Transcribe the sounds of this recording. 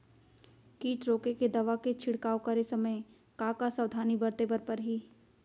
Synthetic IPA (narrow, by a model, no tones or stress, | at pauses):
kiːʈɾoːkeked̪ɐʋaket͡ʃʰɪɽkaːokɐɾesɐməj | kaːkasɐwd̪ʱaːnibɐɾt̪ebəɾpɐɾɦiː